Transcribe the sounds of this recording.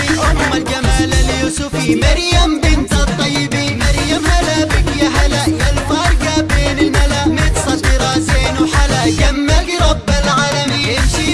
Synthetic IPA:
iʔʊmːald͡ʒamaːlaljusʊfimaɾjambɪnt̪ɑt̪ˤːɑjːɪbimaɾjamːalabɪkjaɦalaʔjalfɑːɾˤɡabeːnɪlmalamɪt̪sˤɑt̪ɪɾˤɑseːnuħalakamːaɡɾɑbːalʕalamiɪmʃi

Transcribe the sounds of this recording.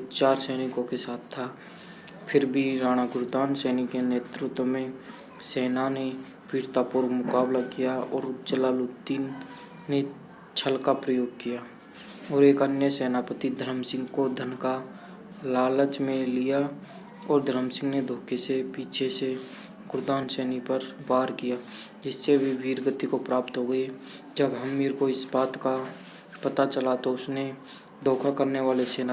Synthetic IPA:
t͡ʃaːɾsɛːnɪkõkesaːt̪ʰt̪ʰːa | pʰɪɾbʱiɾaːɽ̃aɡʊɾʊt̪aːnsɛːnɪkeneːt̪ɾɪt̪wmẽ | sɛːnane | piːɾt̪apʊɾmʊkaːblakijaɔːɾt͡ʃəlaːlʊt̪ːiː | e | t͡ʃʰəlkapɾəjoːɡ̚kijaː | ɔːɾeːkənjəsɛːnapət̪id̪ʱəɾəmsɪ̃ŋɡkod̪ʱənka | laːlət͡ʃmẽlija | ɔːɾd̪ʱɾəmsɪ̃ŋɡned̪ʱoːkʰesepiːt͡ʃʰese | ɡʊɾd̪aːnsɛːnipəɾbaːɾkijaː | d͡ʒɪsːeʋiʋiːɾɡət̪ikopɾaːpt̪ɦoɡəe | d͡ʒəbɦəmːiːɾkoɪsbaːt̪ka | pət̪at͡ʃəlat̪oʊsne | d̪ʱoːkʰakəɾneʋaːleseːna

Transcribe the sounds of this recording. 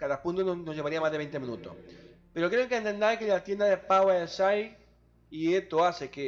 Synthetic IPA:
kaðapũnt̪ononoʝeβaɾiamazðeβejnt̪emĩnut̪o̰s | peɾokɾeŋkent̪end̪ajkelat̪je̞nd̪aðepawaesaj | iet̪oaseke

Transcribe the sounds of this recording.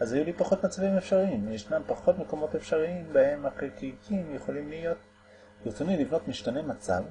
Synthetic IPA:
ʔazajulipaχo̞t̪mat͡savimefʃaʁiimjeʃnampaχo̞tme̞ko̞mo̞tefʃaʁiimbahe̞maχikikimjeχo̞limlijo̞t̚ | iʁtonilivno̞tmiʃtanemat͡sa̰v

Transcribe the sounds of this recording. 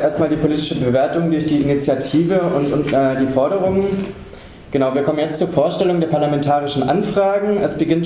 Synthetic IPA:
ʔeːɐstmaːldiːpʰoliːtɪ̥ʃəbəveːɐtʊŋdʊɐçd̥iːɪnit͡sjatʰiːvəʊntʊnɛːdiːfɔɐɾəʁ̞ʊŋən | ɡ̥ənaʊviːɐkʰɔmənjɛt͡stt͡suːɐfoːɐʃtɛlʊŋdeːɐpʰaɐlamɛntʰaːʁ̞ɪʃn̩ʔanfʁ̥aːɡŋ̩ɛsb̥əɡɪnt

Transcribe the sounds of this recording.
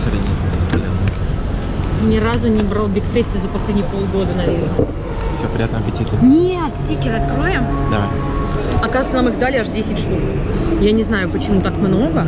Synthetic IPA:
xəɾʲɐnʲebʲɪspʲɪlja̰t̪nə | nʲɪɾazʊnʲɪbɾalˠbʲɪkp̪ɾʲesʲːɪəzəpɐsʲlʲedʲnʲɪjəpo̞lˠɡo̞d̪ənɐvʲernə | fsʲopɾʲɪjat̪nəɐpʲɪtʲit̪ɨnʲet̪sʲtʲikʲɪɾɐt̪kɾojɪmd̪a̰ | ɐkazɨt̪sənamɨxd̪alʲɪaʂdʲesʲɪtʲʂt̪uk | janʲɪznajʊpət͡ɕɪmut̪akmno̞ɡə

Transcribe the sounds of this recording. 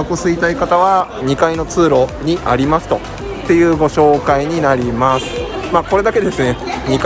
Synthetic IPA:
kosɨit̪aikat̪aβaɲ̟ikaino̞t͡sɨːɾo̞ɲ̟iʔaɾʲimasɨ̥t̪o̞ | t̪ːe̞jɯ̟ːɡo̞ɕo̞ːkaiɲ̟inaɾʲimasɨ̥maːko̞ɾe̞d̪ake̞d̪e̞sɨne̞ɲ̟ik

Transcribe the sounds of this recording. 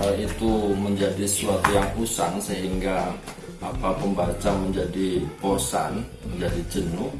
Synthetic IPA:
əit̪uməɲd͡ʒadisəsuat̪ujaŋpusaŋsəɦiŋɡaː | papəmbat͡ʃaməɲd͡ʒadiposa̰nməɲd͡ʒadid͡ʒənu

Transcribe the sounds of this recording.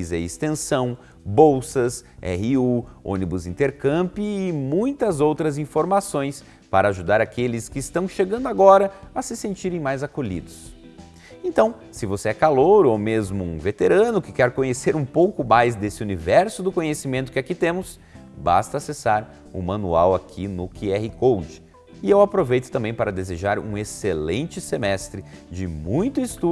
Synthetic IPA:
zɛ̰ɪst̪ẽsɐ̃w̃ | bowsɐsɛ̰ɦɪuõ̰nibʊzĩnt̪eɾkɐ̃mpɪːmũj̃t̪ɐzowt̪ɾɐzĩfoɾmasõj̃s | paɾɐaʒud̪aɾakelɪskɪːst̪ɐ̃w̃ʃeɡɐ̃nd̪ʊaɡɔɾɐɐsɪsẽnt͡ʃiɾẽj̃majzakoʎḭd̪ʊs | ẽnt̪ɐ̃w̃ | sɪvoseɛkaloɾomezmʊũvet̪eɾɐ̃nʊkɪkɛɾkõɲeseɾũpowkʊmajzd̪esɪunivɛɾsʊd̪ʊkõɲesimẽnt̪ʊkɪakit̪ẽmʊs | ba̰st̪ɐːsesaɾ | ṵ̃mɐ̃nṵa̰wakʰinʊkɪɛhikowd͡ʒɪ̥ | ɪewapɾovejt̪ʊ̥t̪ɐ̃mbẽj̃paɾɐd̪ezeʒaɾṵ̃eselẽnt͡ʃɪsemɛst̪ɾɪd͡ʒɪmũj̃t̪ʊɪst̪u

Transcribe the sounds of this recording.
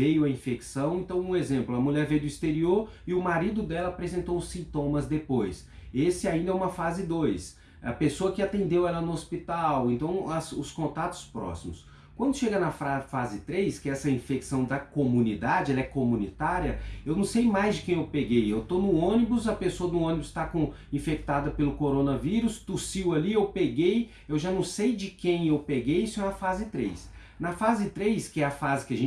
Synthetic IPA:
ejʊɐĩfeksɐ̃w̃ẽnt̪ɐ̃w̃ũezẽmplʊɐmuʎɛɾvejʊd̪ʊist̪eɾioɾɪʊmaɾid̪ʊd̪ɛlɐapɾezẽnt̪õʊ̃sĩnt̪õmɐzd̪epojs | esɪaĩnd̪ɐɛũmɐfazɪd̪ojs | ɐ̰pesoɐkɪat̪ẽnd̪ewɛlɐnʊospit̪awẽnt̪ɐ̃w̃ɐsʊskõnt̪at̪ʊ̥spɾɔ̰simʊs | kwɐ̃nd̪ʊʃeɡɐnɐfafazɪt̪ɾejskɪɛsɐĩfeksɐ̃w̃d̪ɐkomunid̪ad͡ʒɪɛlɐɛkomunit̪aɾiɐewnɐ̃w̃sejmajzd͡ʒɪkẽj̃ewpeɡejewt̪onʊõnibʊsɐpesoɐd̪ʊõnibʊst̪akõĩfek̚t̪ad̪ɐpelʊkoɾonɐviɾʊst̪usiwɐliewpeɡej | ewʒanɐ̃w̃sejd͡ʒɪkẽj̃ewpeɡejisʊɛ̃ɐfazɪt̪ɾḛjs | nɐfazɪt̪ɾejskɪɛɐfazɪkɪɐʒẽ

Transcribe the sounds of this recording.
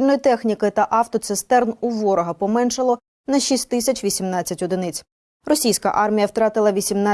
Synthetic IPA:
lʲnɔjit̪ɛxnʲikɪt̪ɐʔɑft̪ɔt̪sɪst̪ɛrnuʋɔɾɔɦɐpɔmɛnʃɐlˠɔ | nɐʃʲisʲt̪ʲːɪsʲɐt͡ʃʲʋʲisʲimnɑtt͡sʲːɐtʲɔd̪ɪnɪt͡sʲ | rɔsʲijsʲkɐ̰ʔɑrmʲijɐwt̪ɾɑt̪ɪlˠɐʋʲisʲimnɑ

